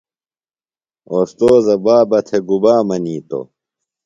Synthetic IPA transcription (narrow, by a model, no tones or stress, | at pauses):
oːst̪oːzɐbaːbɐt̪ʰeɡubaːmɐniːt̪o̰